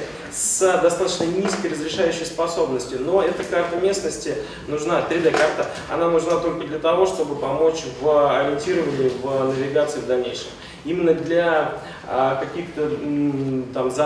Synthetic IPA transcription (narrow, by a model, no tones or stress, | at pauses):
sd̪ɐst̪at̪ə̥t͡ɕnənʲiskəjrəzɾʲɪʂajʏɕːɪjspɐso̞bnəsʲtʲʊno̞ɛt̪əkart̪əmʲe̞snəsʲtʲɪ | nʊʐnat̪ɾʲɪd̪ɛkart̪ə | ɐ̰nanʊʐnat̪o̞lʲkəd̪lʲət̪ɐvo̞ʂt̪o̞bɨpɐmo̞t͡ɕvɐɾʲɪnʲtʲiɾəvənʲɪjʊvnəvʲɪɡat̪sɨɪvd̪ɐlʲnʲejʂɨ̰m | imʲɪnːəd̪lʲa | kɐkʲixt̪ə | t̪amzɐ